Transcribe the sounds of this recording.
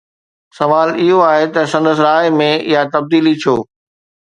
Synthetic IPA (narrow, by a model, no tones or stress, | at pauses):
sɐʋaːlɪɦoaːɦet̪ɐsɐ̃nd̪əsɾaːɪmẽɪ̰jat̪ɐb̚d̪iːlit͡ɕʰoː